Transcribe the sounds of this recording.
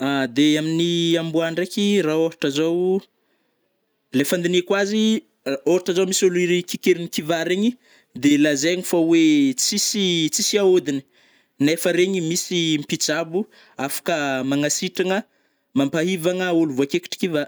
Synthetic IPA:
ad̪eaminiambuaɳɖ͡ʐekiraoɾaʈ͡ʂazow | lefand̪inekwazi | oɾaʈ͡ʂazawmisuluiɾikikeɾinikivaɾeɲi | d̪elazeɲifawet͡sisit͡sisiaod̪ini̥ | nefəɾeɲimisimpit͡sabu | afḁkəmaŋasiʈ͡ʂaŋə | mampaɦivaŋəuluvuakeki̥ʈ͡ʂi̥kiva

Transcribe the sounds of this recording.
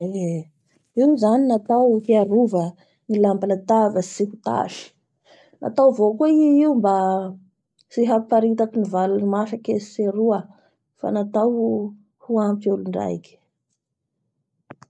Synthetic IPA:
e | iwzaninat̪awhiaɾuvə | ŋilambalət̪avəsihut̪a̰ʃi̥ | nʔa̰t̪awvokuiiumba | siɦapaɾit̪akinivalunimafakesi̥seɾuə | fa̰nat̪aw | huampiuluɳɖ͡ʐa̰jki̥

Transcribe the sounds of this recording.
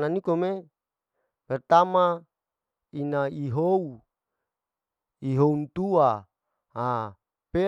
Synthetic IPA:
nanikome | mɛrt̪ama | inaiɦou | iɦount̪ua | ɦa | pe

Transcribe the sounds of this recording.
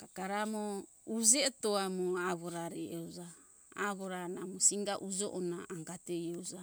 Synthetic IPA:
kakaɾamo | ud͡ʒetoamoaβoɾaɾeewd͡ʒa | aβoɾanamosiŋɡaʔud͡ʒoʔonaʔːŋɡatejowd͡ʒa

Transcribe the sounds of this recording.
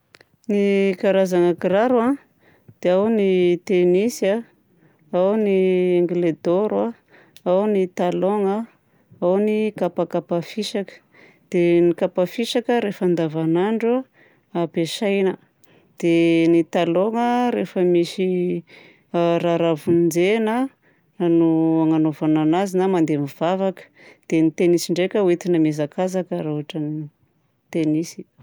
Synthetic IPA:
nikaɾazaŋakiraɾua | d̪̥eawnit̪enisa | awnieŋɡled̪oɾwa | awnit̪aloŋə | awnikapakapafiʃakə̥ | d̪̥enikapafiʃakəɾefand̪avanaɳɖ͡ʐa | apeʃajnə | d̪̥enit̪aloŋəɾefəmisi | ɾaɾavund͡zena | nuaŋanovananazinamand̪emiv̥avakə̥d̪̥enit̪enisiɳɖ͡ʐekʲəuet̪inəmezakazakəɾauaʈ͡ʂəni | t̪enisi̥

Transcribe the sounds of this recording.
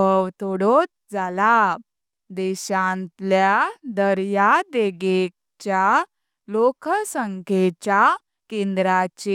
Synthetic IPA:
əwt̪oɽot̪̚ | d͡zala | d̪ɛɕãnt̪ljad̪əɾjad̪eɡek̚ | t͡ɕja | lokʰəsəŋkʰet͡ɕa | kẽnd̪ɾat͡ɕi

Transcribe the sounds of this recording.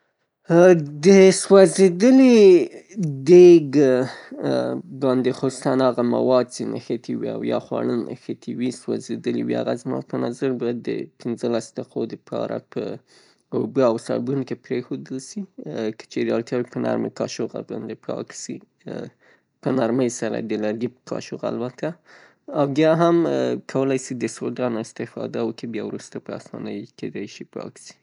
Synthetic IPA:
d̪əswazed̪əli | d̪eɡ | bɑnd̪exosu̥sanɑɣama̰wɑd̪̚sina̰xət̪ʰiwia̰wjɑxwɑ̰ɽənxət̪ʰiwiswa̰zed̪əlḭwia̰ɣazmɑ̰pənazaɾbɑjad̪ə̰pʰɪnzəlasd̪aqʰod̪əpʰɑ̰ɾa̰pʰə̰ | obəawsabunkepɾexod̪əlsikə̥t͡ʃeɾd̪ɑlt̪jɑwipəna̰ɾmḛkɑʃoqa̰bɑ̰nd̪epʰɑksi | pənaɾməjsaɾa̰d̪əlaɾɡipkʰɑ̰ʃoqa̰lbat̪ʰa | awbjɑɦamkʰawəlajsid̪əsod̪ɑnɪst̪ɪfɑ̰d̪awəkebjɑwɾust̪apəasɑ̰nəjked̪ajʃipɑ̰ksi̥

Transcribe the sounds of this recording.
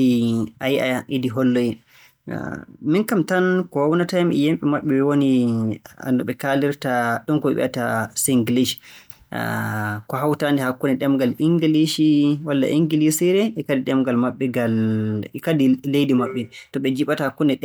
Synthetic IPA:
iajiʔa̰jaʔidiɦɔlːoji | minkamtankɔhawnatajamʔɛ̰jemɓɛmaɓːɛɓɛwoni | a̰ndɔɓɛkaliɾtaɗunkɔɓɛ̰ɓɛ̰ʔatasiŋɡiliʃi̥̰ | kɔɦawtandɛhakːunɛɗɛmɡaliŋɡiliʃiwalːa̰ʔiŋɡilisiɾɛɛkadiɗɛmɡalmaɓːɛɡalkadilejdimaɓːɛtɔɓɛd͡ʒiɓatahakːunɛɗɛ

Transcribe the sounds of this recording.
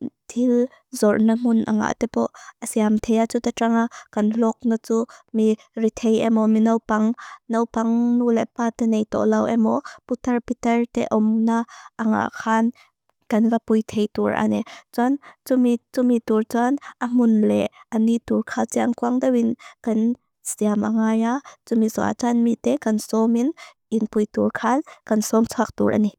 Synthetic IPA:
t̪ʰil | zɔrnam̥ʊnʔa̰ŋa̰ʔt̪ɛpɔʔʔəsiamt̪ʰejat͡sut̪aʈ͡ʂaŋakɐnlɔk̚nat͡sumi | rit̪ʰejʔɛmɔminɐwpaŋnɐwpɐŋnulɛpaːt̪ɛnejt̪ɔ̰ʔlɐwʔɛmɔput̪ɐrpit̪ɛrt̪ɛʔɔmnaʔːŋa̰ʔkʰaːn | kɐnvapujt̪ʰejt̪uɹʔa̰nɛt͡sant͡sumit͡sumit̪urt͡sanʔɐm̥ʊnlɛʔɐnit̪urkʰat͡siʔankuaŋd̪awinkɐn | z̥iamʔaŋaːjat͡sumizɔ̰a̰t͡sanmit̪ɛkɐnsɔminʔinpujt̪urkʰankɐnsɔmt͡sʰuak̚t̪ṵɹʔa̰ni

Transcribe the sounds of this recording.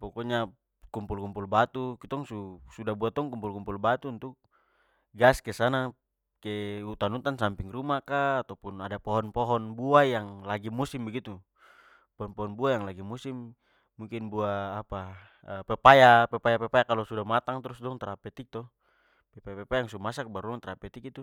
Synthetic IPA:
pɔkɔɲa | kumpulkumpulbat̪ukit̪ɔŋsusudabuat̪ɔŋkumpulkumpulbat̪uːnt̪uk̚ | ɡaskɛsana | kɛut̪anut̪ansampiŋrumakaːt̪awpunadapɔɦɔnpɔɦɔnbuajaŋlaɡimusimbɛɡit̪u | pɔɦɔnpɔɦɔnbuajaŋlaɡimusimː | uŋkinbuaːpa | əpɛpajapɛpajapɛpajakalɔsudamat̪aŋt̪ɾusdɔŋt̪aɾapɛt̪ik̚t̪ɔ | pɛpajapɛpajaŋsumasak̚baɾuɔŋt̪aɾapɛt̪ikit̪u

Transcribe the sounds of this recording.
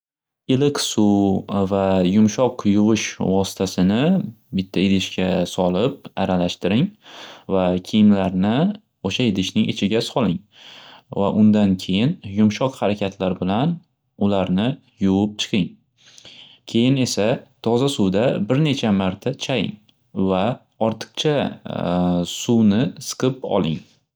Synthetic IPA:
ɪlɪksuvajʊmʃɒqjʊvɪʃvɒsɪ̥t̪ʰasɪnɪbɪt̪ʰːaɪd̪ɪʃkʲʰasɒlɪp̚aɾalaʃt̪ɪɾɪŋvakʲʰijɪmlaɾnɪ | oʃajɪd̪ɪʃnɪŋʔet͡ʃʰɪɡʲasɒlˠɪŋ | va̰ʔʊnd̪ankʲʰe̞jɪnjʊmʃɒqhaɾakʲʰat̪ʰlaɾbɪlan | ʊlaɾnɪ | jowʊp̚t͡ʃʰɨ̥qʰɪŋ | kʲʰe̞jɪne̞sat̪ʰɒzasʊwd̪abɪɾne̞t͡ʃʰamaɾt̪ʰat͡ʃʰajɪ̰ŋ | va | ɒɾt̪ʰɨ̥q̚t͡ʃʰa | suwnɪsɨ̥qʰɨpɒ̰lˠɪ̰ŋ

